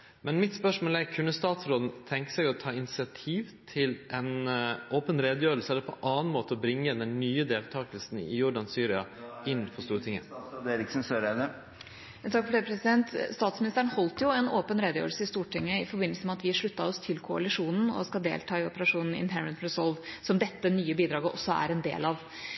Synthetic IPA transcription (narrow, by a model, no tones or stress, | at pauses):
mɛnmɪt̪spœʂmoːlɛkʰʉnːəst̪ɑːt̪sɾoːd̪n̩t̪ʰɛŋkə̥sɛɡɔt̪ʰɑːɪnɪsɪɑt̪ʰiːʋt̪ʰɪlʔɛnoːpənɾeːd̪əjøːɾəlsəɛləɾpʰɔ̰ʔɑːn̩moːt̪əɔbɾɪŋːəd̪ɛnːyːəd̪eːlt̪ʰɑːkəlsn̩ɪ̰jʊɖɑnsyːɾɪɑɪnːfɔst̪uːɾət̪ʰɪŋːə̰ɾɪksɔsøːɾɛd̪ə | t̪ʰɑkfɔɖepʰɾɛsɪd̪ɛnt̪st̪ɑːt̪smɪnɪst̪əɾəɳhɔlt̪jʊɛnoːpənɾeːd̪əjø̰ːɾəlsəɪst̪uːʈʰɪŋːəɪfɔɾbɪnːəlsəmɛɑt̪ʋɪʂɭʉt̪ːɑɔst̪ʰɪlkʰʊɑ̰lɪʂuːnn̩ɔ̰skɑld̪ḛːlt̪ʰɑːɪɔpəɾɑʂuːnn̩ɪ̰nɦɛɹənt̪ɾɛsɔlʋsɔmd̪ɛt̪ːənyːəbiːd̪ɾɑːɡəʔɔ̰sːɔæ̰ɾɛnd̪ḛːlɑʋ